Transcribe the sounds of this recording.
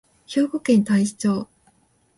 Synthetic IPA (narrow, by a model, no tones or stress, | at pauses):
ço̞ːɡokẽ̞nt̪aiɕi̥t͡ɕo̞ː